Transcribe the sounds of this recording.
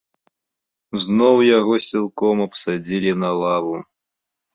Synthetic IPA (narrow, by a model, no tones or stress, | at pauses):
znɔwjaɣɔsʲilˠkɔmɐpsad͡zʲilʲinɐlˠavu